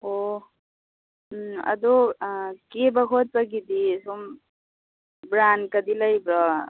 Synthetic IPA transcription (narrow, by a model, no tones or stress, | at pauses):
o | ɐ̰d̪okebəkʰot̪̚t͡səkit̪isom | bɾankəd̪iləjbɾɔ